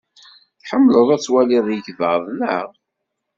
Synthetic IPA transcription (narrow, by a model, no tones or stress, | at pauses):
θħəmːləðˤæt͡sːwæliðˤjəçvəðˤlə̰ʁ